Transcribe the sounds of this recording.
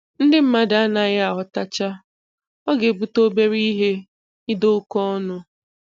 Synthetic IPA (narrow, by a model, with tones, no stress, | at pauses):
n̩˦dɪ˦m̩˦ma˦da˨˦na˨˦ɣɪ˦a˨ɦʊ˨ta˦t͡ʃa˦ | ɔ˦ɡe˨bu˦to˦be˦ɾi˦i˦ɦe˦ | ɪ˦do˦ʊ˦kɔ˦nʊ˦